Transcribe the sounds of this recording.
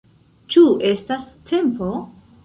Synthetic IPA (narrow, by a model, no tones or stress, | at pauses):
t͡ʃue̞stastʰe̞mpo̞